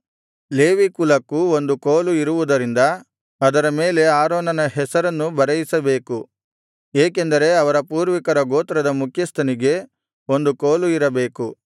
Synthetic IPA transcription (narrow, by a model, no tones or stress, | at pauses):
leːʋikulɐkːuo̞nd̪ukoːluiɾuʋud̪ɐɾind̪ɐ | ɐd̪ɐɾɐme̞ːle̞aːɾoːnɐnɐɦɛsɐɾɐnːubɐɾɐjisɐbe̞ːku | eːkend̪ɐɾe̞ɐʋɐɾɐpuːɾʋikɐɾɐɡoːt̪ɐɾɐd̪ɐmukʰjɐst̪ʰɐniɡe̞ | o̞nd̪ukoːluiɾɐbe̞ːku